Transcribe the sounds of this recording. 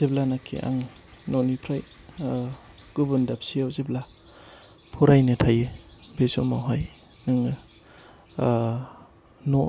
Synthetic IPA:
zeblanakʰḭʔa̰ŋ | nɔnipʰɾaj | ɡ̥ɯbɯndap̚siawzibla | pʰuɾajnɯtʰajɯbesomaɦaj | nɯŋɯ | nɔ

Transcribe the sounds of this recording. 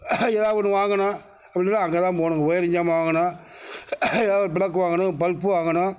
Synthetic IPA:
ɛːðaːʋɐnɯ̃ʋaːŋɡɐnã | ɐpːɐɽɪnːaɐŋɡet̪ãːpoːɳʊŋɡɐɔjɐɾɪɲd͡ʒaːmɐʋaːŋɡɐnã | ɛːðaːʋɐpɪɽɐk̬ːɯʋaːŋɡɐnʊ̃pɐlpːɯʋaːŋɡɐnʊ̃

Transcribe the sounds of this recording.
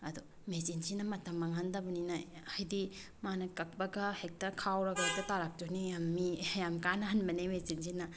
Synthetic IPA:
ɐdu | mezinsinɐmɐtamːɐŋandɐbɐninajajdi | manɐkɐk̚bɐɡɐhek̚tɐɾkʰawɾɐɡɐtɐtaɾak̚tonijamːijamkanɐɦanbɐnemezinsinɐ

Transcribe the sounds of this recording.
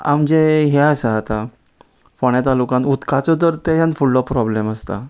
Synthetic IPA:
a̰md͡ʑeɦɛəsəɦat̪a | foɳjat̪alukãnut̪kat͡sɔt̪əɾt̪ejãnfuɭːɔpɾɔbleməst̪a̰

